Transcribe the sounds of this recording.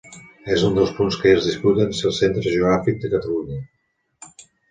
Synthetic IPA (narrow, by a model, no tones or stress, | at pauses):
ezund̪əlˠspunskəezðisput̪ənselˠsent̪ɾəʒəuɣɾafik̚d̪əkət̪əluɲə